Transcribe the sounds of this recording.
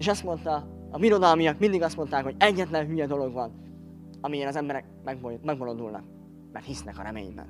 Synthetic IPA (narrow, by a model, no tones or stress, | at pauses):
eːʃɒst̪mo̞nt̪ɒ | ɒmiɾo̞d̪ɒlmijɒkmind̪iɡɒst̪mo̞nt̪aːkho̞ɟɛɟːɛt̪lɛnɦyjɛd̪o̞lo̞ɡvɒn | ɒmijɛnɒzɛmbɛɾɛk̚ | mɛɡbmɛɡbo̞lond̪ulnɒ̰k̚ | mɛ̰rt̪hisnɛkɒ̰ɾɛmḛːɲbɛ̰n